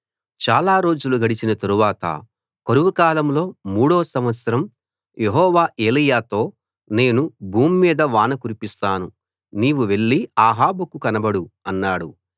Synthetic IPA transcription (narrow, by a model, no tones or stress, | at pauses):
t͡ʃaːlaːɾo̞ːd͡ʒuluɡɐɽit͡ʃinɐt̪ɐɾuʋaːt̪ɐ̰ | koɾuʋukaːlɐmlo̞ːmuːɽoːsɐmʋɐt̪sɐɾɐm | jeɦɔːʋaːʔeːlijaːt̪o̞ː | ne̞ːnubʱuːmːiːd̪ɐʋaːnɐkuɾipist̪aːnu | niːʋuʋe̞ɭːiaːɦaːbukukɐnɐbɐɽuɐnːaːɽu